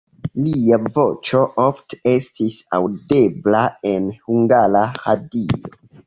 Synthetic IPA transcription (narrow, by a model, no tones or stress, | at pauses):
liavo̞t͡ʃo̞ʔo̞ftee̞stisa̰wde̞blae̞nhuŋɡalahadio̰